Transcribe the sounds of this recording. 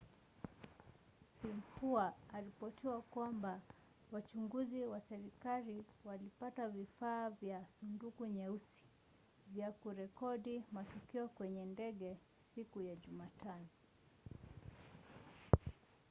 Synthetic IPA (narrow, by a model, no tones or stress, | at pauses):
sim̩fuaːɾipɔtiwakwamba | wat͡ʃuŋɡuziwasɛɾikaliwalipatavifaːvjasundukuɲɛusi̥ | vjakuɾɛkɔɗimatukiɔkwɛɲɛndɛɠɛ | sikujaʄumatanɔ